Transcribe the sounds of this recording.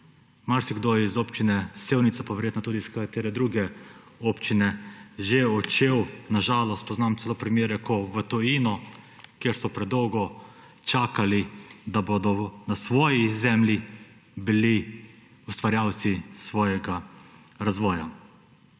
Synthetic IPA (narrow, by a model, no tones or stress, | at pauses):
maɾsiɡd̪oizoːpt͡ʃinɛsewnit̪sapaʋɛɾjeːt̪nɔt̪uːd̪iskat̪eːɾɛd̪ɾuːɡɛ | oːpt͡ʃinɛʒeɔt͡ʃewnaʒaːlɔst̪̚pɔznamt̪sɛloːpɾimjeːɾɛkɔʋət̪ɔjiːnɔ | kjeɾsɔpɾɛd̪ɔwɡɔ | t͡ʃaːkalid̪abod̪ɔnasʋɔːjizɛmlʲji | bili | ust̪ʋaɾjawt̪sisʋɔːjɛɡa | ɾazʋɔːja